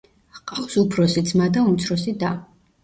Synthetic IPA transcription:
qʼaχsupʰɾɔsit̪sʰmad̪aumt̪sʰɾɔsid̪a

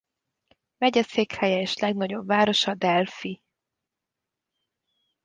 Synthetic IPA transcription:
vɛɟɛseːkhɛjɛeːʃlɛɡnɒɟo̞bvaːɾo̞ʃɒd̪ɛlfi

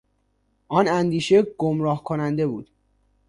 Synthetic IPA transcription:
ʔɒːnænd̪iːʃe̞ɡ̥omɾɒːhkʰonænd̪e̞buːd̪̥

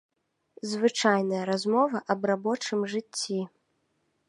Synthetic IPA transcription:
zvɨt͡ʂajnɐjɐɾazmɔvɐʔɐbrabɔt͡ʂɨmʐɨt͡sʲːi

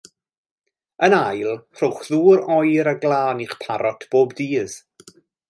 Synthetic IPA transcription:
ənajlˠr̥ʊwχðuːɾɔjɾəɡlˠaːniχpʰaɾʔɔtʰb̥oːbdiːz̥

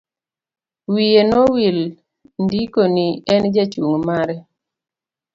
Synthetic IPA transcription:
wienɔwil | ndikoniɛnd͡ʒat͡ʃuŋmaɾɛ

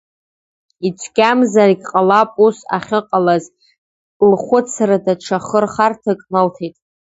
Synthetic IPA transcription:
it͡ʃʷʰɡʲamzariɡʲqʼalapʼusa̰χʲɪqʼalazʼ | lχʷʊt͡sʰaradaʈ͡ʂʰaχərχartʰɨkʼmaltʰejtʼ

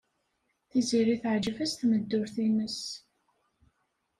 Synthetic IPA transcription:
θiziɾiθəʕd͡ʒəvæst̪məd̪ːʊɾθinəs

